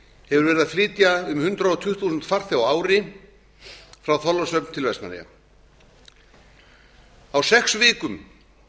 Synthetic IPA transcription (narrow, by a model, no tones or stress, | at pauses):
hɛvʏɾvɛːɾɪðaðflɪːt̪jaʏmhʏnt̪ɾaɔt̪ʰʏhθʰuːsʏnt̪far̥θjawaːwɾɪ | fɾawθɔlvasœpnt̪ʰɪlvɛst̪na̰ɾḭja̰ | awsɛxsvɪːkʏm